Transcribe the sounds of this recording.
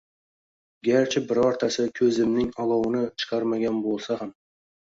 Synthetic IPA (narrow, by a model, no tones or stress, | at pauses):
ɡʲaɾt͡ʃʰɪbɪɾɒɾt̪ʰasɪkʲʰɵzɪmnɪŋɒlˠɑwnɪt͡ʃʰɨ̥qʰɑɾmaɡʲanbolˠsaham